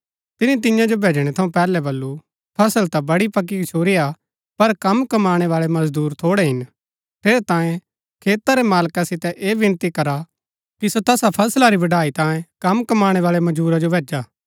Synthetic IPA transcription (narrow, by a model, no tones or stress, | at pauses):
t̪ɪnit̪̬ɪjãd͡ʒobʱeːd͡ʒɽ̃ɛt̪ʰɐũpɛːlɛbɐlːu | pʰɐsəlt̪abɐɽipɐk̬ːikɐt͡ʃʰoːɾia | pɐɾkɐmkɐmaːɽ̃eʋaːɭemɐzd̪uːɾt̪ʰoːɽɛɦɪn | t̪ʰeːɾɛt̪ãːjẽ | kʰeːt̪aɾɛmaːlkasɪt̪ɛʔeːʋɪnt̪ikɐɾa | kisot̪ɛːsapʰɐslaɾiʋɐɖaːit̪ãːjẽkɐmkɐmaːɽ̃eʋaːɭemɐd͡ʒuːɾad͡ʒobʱeːd͡ʒaː